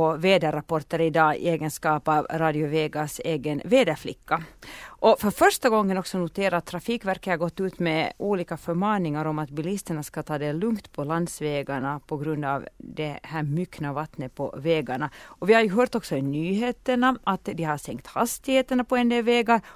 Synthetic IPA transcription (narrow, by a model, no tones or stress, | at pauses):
ɔveːd̪ɛɾapɔɾt̪əɾɪd̪ɑːeːɡənskɑːpɑvɾɑːd̪ɪʊveːɡaseːɡənveːd̪ɛɾflɪ̰kːaʔɔfœɾfœʂt̪aɡɔŋːənɔksɔnʊt̪ʰeːɾat̪ʰːɾafiːkvæɾkːət̪haɾɡɔt̪ːʉːt̪mɛuːliːkafœɾmɑːnɪŋaɾɔmat̪bɪlɪst̪əɳaskat̪ʰɑːd̪ɛlɵŋkt̪pʰɔland̪sveːɡaɳapʰɔɡɾʉnd̪a̰vd̪ɛhæɾmʏkːnavat̪nət̪̚pʰɔ̰veːɡaɳaɔvɪhaɾjɵɦœːʈ̪ɔksɔinyːheːt̪əɳaat̪d̪ɪhaɾʂɛŋkt̪hast̪ɪheːt̪əɳapɔɛnd̪eːlveːɡaɾ